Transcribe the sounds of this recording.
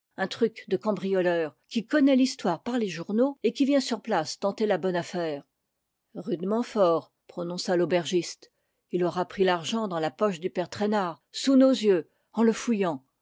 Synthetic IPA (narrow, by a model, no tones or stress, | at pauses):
ɛ̃t̪χykd̪əkɑ̃bʁijɔlœːʁkʲikɔnɛlist̪waʁpaʁleʒuʁnoekʲivjɛ̃syʁplast̪ɑ̃t̪elabɔnafɛːʁ | ʁyd̪mɑ̃fɔːʁ | pχɔnɔ̃salobɛʁʒist̪ | ilɔʁapχilaʁʒɑ̃d̪ɑ̃lapɔʃd̪ypɛʁt̪χɛnaːʁ | sunozjø | ɑ̃ləfujɑ̃